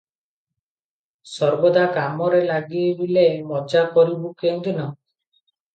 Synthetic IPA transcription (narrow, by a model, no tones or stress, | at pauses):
sɔɾbɔd̪ʱakamɔɾelaɡiebilemɔd͡ʒakɔɾibukend̪inɔ